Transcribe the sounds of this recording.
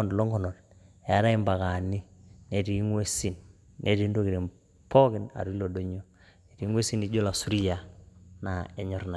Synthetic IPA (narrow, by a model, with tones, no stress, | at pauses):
ɔndlo˦ŋɡɔ˨nɔ˨t | e˨a˦ɾa˦ɪ˦mba˨ka˨ni˦ne˨ti˦ŋwe˦si˨n | nʔe˨˦ɾi˦ndo˦ki˨ɾe˨m | pɔ˦kɪ˦na̰˨ɾu˦i˦lo˨do˦ɲo˦ | ne˨ti˨˦ŋwe˦si˦ni˨d͡ʒo˦la˨su˦ɾi˦ja˨na˨e˨ɲɔ˦ɾna˨